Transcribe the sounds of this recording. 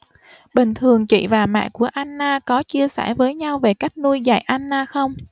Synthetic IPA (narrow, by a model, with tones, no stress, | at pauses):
ɓï˨˩ŋ̟t̪ʰɨ˨˩əŋt͡ɕḭ˧˨vaː˨˩ma̰ː˧˨jku˧˩əʔa˧jnːaː˧kɔ˨˦t͡ɕi˧əsɛ̰˧˩vəː˨˦jɲa˧wve˨˩ka˦˥jk̚nu˧jza̰˧˩jʔa˧nːaː˧xə˧wŋ͡m